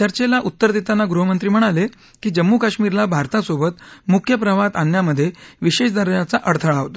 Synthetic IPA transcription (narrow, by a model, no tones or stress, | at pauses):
t͡ɕ̪əɾt͡ɕelaʔut̪ːəɾd̪it̪anːaɡɾuɦəmənt̪ɾiːm̤əɽ̃ale | kiːd͡ʑəmːukaɕmiːɾlabʱaɾt̪asobət̪mukʰjəpɾəʋat̪anjaməd̪ʱːjeʋiɕeʂd̪əɾɭjat͡saʔəɽt̪ʰəɭaɦot̪ḁ